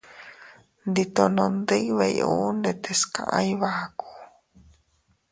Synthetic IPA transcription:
nd̪it̪onõnd̪ejβejʔṵndet̪eska̰ʔajβaku̥

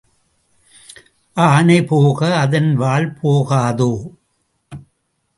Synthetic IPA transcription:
ʔaːnɐɪpoːɣɐːðɐnʋaːlpʰoːɣaːðoː

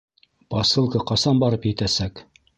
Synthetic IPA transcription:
pɑsɤ̆lˠkɤqɑsɑnbɑɾɤpjɘ̆t̪æsæk

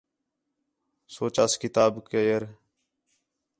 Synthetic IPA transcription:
soːt͡ʃaskɪt̪aːbkejəɾ

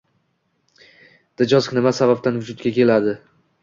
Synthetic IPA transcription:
d̪̥ɪd͡ʒɒzknɪmasabab̚t̪ʰanvʊd͡ʒʊt̪̚ɡʲakʲʰe̞lad̪ɪ

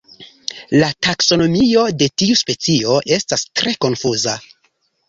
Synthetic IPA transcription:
latakso̞no̞mio̞de̞tiuspe̞t͡sio̞ʔe̞stastɾe̞ko̞nfuza

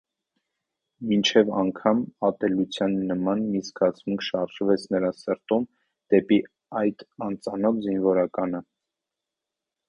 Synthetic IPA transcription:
mint͡ʃʰɛvɑŋkʰɑmɑt̪ɛlut͡sʰjɑnːəmɑnmiskɑt͡sʰmuŋkʰʃɑɾʒvɛt͡sʰnəɾɑsəɾt̪um | d̪̥ɛpi | ɑjt̪ɑnt͡sɑnɔvzinvɔɾɑkɑnə

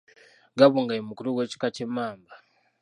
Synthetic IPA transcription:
ɡaβuːŋɡajimukuɾuɡwe̞ːci̥kacemaːmba

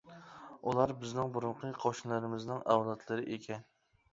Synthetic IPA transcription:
ulˠɑɾbɪznɪŋbuɾʊɴqʰəqʰoʃnlˠɨɾɪmɪznɪŋæwlˠɑt̪ʰlˠɨɾɪʔekʲʰɛn

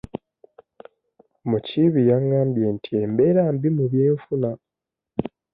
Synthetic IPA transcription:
muciβijaŋɡaːmbje̞ntʰie̞mbeɾaːmbimuβjeːɱfuna

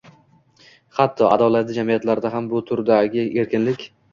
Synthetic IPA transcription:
hat̪ʰːɒa̰d̪ɒlat̪ɪd͡ʒamijat̪laɾɪd̪aɦambʊt̪ʰʊɾd̪aɡʲɪe̞ɾkʲɪnlɪkʲ

